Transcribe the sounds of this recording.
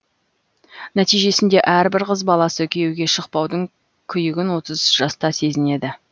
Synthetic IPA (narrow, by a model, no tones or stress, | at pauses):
næt̪ijʒe̞sɪnd̪e̞ʔæɾbɪɾqəzbɑlˠɑsəkʲʰewɡʲe̞ʃəq̚pɑwd̪əɴ | kʲʰʏjɪɡʲɪnwo̞t̪əzʒ̥ɑst̪ɑse̞zɪne̞d̪ɪ